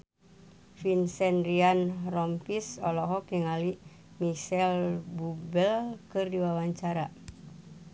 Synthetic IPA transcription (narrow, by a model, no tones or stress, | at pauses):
finsɛnrianrɔmpisɔlɔɦɔkjəŋali | misɛlbubɛlkɨrdiwawaɲt͡ʃaɾa